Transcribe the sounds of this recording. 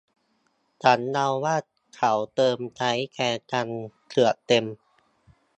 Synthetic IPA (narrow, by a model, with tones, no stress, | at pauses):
t͡ɕa˨˦˥nːa˧wːaː˥˩t̪̚kʰa˨˩˦wt̪ɤː˧mt͡ɕa˦˥jkɛː˧t͡ɕa˧nk̪ʰɯ˨˩ət̪e˧m